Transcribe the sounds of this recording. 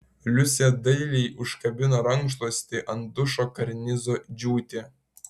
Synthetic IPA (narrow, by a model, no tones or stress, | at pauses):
lʲusʲed̪ɐjlʲejʊʃkɐbʲɪnoɾɐŋʃlˠosʲt̪ʲeʔɐnd̪uʃokɐɾʲnʲizod͡ʒʲuːt̪ʲe